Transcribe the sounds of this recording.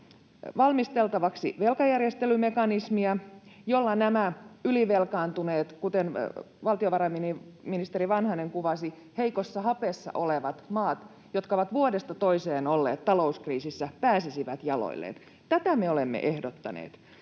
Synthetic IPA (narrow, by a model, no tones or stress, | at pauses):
ʋɑlmist̪elt̪ɑʋɑksḭʋelkɑjærjest̪elymekɑnismiæjolːɑnæmæyliʋelkɑːnt̪uneːt̪kut̪en | ʋɑlt̪ioʋɑɾɑminiminist̪eɾiʋɑnhɑneŋkuʋɑsi | heikosːɑhɑpesːɑ̰ʔoleʋɑt̪mɑːt̪ | jot̪kɑoʋɑt̪ʋuodest̪ɑt̪oiseːnolːḛːt̪tːɑlo̞uskriːsisːæpæːsisiʋæt̪jɑlo̰ilːḛn | t̪æt̪æmeolemːḛʔehdot̪ːɑnḛːt̪